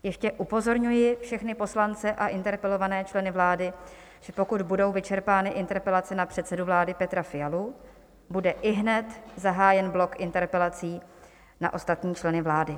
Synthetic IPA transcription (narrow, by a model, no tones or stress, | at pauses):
jɛʃcɛʔupo̞zo̞ɾɲujɪfʃɛxnɪpo̞slant͡sɛʔaʔɪnt̪ɛɾpɛlo̞vanɛːt͡ʃlɛnɪvlaːdɪ | ʒ̥ɛpo̞kud̪budo̞wvɪt͡ʃɛɾpaːnɪʔɪnt̪ɛɾpɛlatt͡sɛnapr̝̥ɛt̪sɛduvlaːdɪpɛt̪ɾafɪjalu | budɛʔɪɦnɛt̪zaɦaːjɛnblo̞kʔɪnt̪ɛɾpɛlat͡siː | na̰ʔo̞st̪at̪ɲiːt͡ʃlɛnɪvlaːdɪ